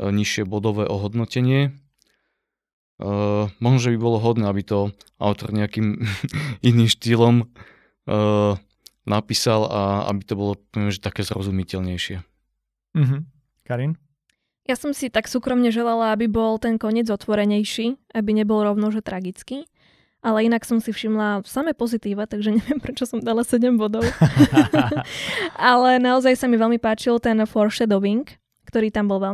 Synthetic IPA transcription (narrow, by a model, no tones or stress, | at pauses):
ɲiʃɪɛbɔd̪ɔʋɛːʔɔɦɔd̪nɔcɛɲɪɛ | mɔɦnɔʒɛbibɔlɔɦɔd̪nɛabit̪ɔa̰ʊt̪ɔɾɲɛakiːm | iniːmʃt̪ilɔm | napiːsalaa̰bit̪ɔbɔlɔɔʋɛmɛʒɛt̪akɛːzɾɔ̰zumicɛʎɲɛjʃɪɛ | ɦ̩ | kaɾin | jasɔmsit̪aksuːkɾɔmɲɛʒɛlalaabibɔlt̪ɛnkɔɲɪɛd͡zɔt̪ʋɔɾɛɲɛjʃiːabiɲɛbɔlɾɔʊnɔʒɛt̪ɾaɡit͡ski | ʔalɛinaksɔmsifʃimlasamɛːpɔzit̪iːʋat̪aɡʒɛɲɛʋɪɛmpɾɛt͡ʃɔsɔmd̪alasɛɟɛmbɔd̪ɔʊ | alɛnaɔzajsamiʋɛlmipaːt͡ʃilt̪ɛnfɔɾʃɛd̪ɔʋiŋkː | t̪ɔɾiːt̪ambɔlʋɛ